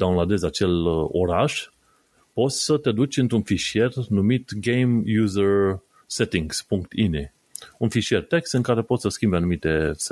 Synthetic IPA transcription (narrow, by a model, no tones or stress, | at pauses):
d̪anlad̪e̞zat͡ʃe̞lo̞̰ɾaʃ | po̞t̪sʲsət̪ed̪ut͡ʃʲɨnt̪ɾunfiʃie̞rnumit̪ɡejmjuzər | set̪iŋɡspuŋkt̪ine | unfiʃije̞rt̪e̞kst̪ɨŋkaɾe̞pot̪səskʲimbanumit̪e̞s